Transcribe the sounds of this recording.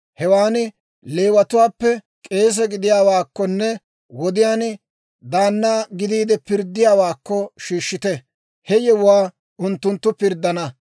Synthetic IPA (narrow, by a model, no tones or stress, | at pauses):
hɛwaːnɪ | leːwɐt̪ʊwaːpːɛ | kʼe̞ːs̬ɛɡɪd̪ɪjaːwaːkːɔnːɛ | wɔd̪ɪjaːn | d̪aːnːaːɡɪd̪iːd̪ɛpɪɾd̪ːɪjaːwaːkːɔʃiːʃːɪt̪ɛ | hɛjɛwʊwaː | ʊnt̪ːʊnt̪ːʊpɪɾd̪ːɐnɐ